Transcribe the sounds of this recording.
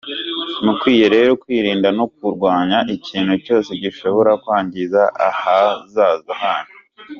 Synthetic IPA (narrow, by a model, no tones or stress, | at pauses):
mukwiːjeɾe̞ɾokwiːɾiːndano̞k̚uɾɡwaːɲaʔiciːnhuco̞ːse̞ɟiʃoβo̞ɾakwaːɲɟizaʔa̰hazaːzahaːne